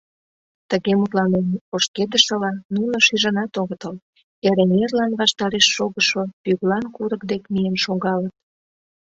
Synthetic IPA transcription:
t̪əɣemut̪lɑnemoʃked̪əʃəlɑnunoʃiʒə̆nɑt̪oɣət̪əl | eɾenerlɑnβɑʃt̪ɑɾeʃːoɣəʃopyɣlɑnkuɾək̚d̪ekmijenʃoɣɑlət̪̚

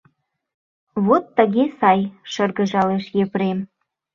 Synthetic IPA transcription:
βot̪ːə̆ɣesɑjʃɤ̆rɣə̆ʒɑleʃjepɾem

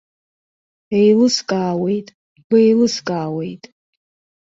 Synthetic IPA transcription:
ejlɨskʼaːwe̞jtʼ | bejlɨskʼaːwe̞jtʼ

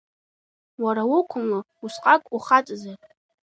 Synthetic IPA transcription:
waɾawʊkʷʰʊma | usqʼakʷʼuχat͡sʼza

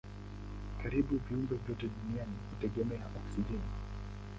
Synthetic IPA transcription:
kaɾiɓuviumbɛvjɔtɛɗunianivitɛɠɛmɛamasiʄɛni

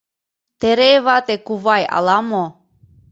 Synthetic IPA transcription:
t̪eɾevat̪ekuvaja̰lamo

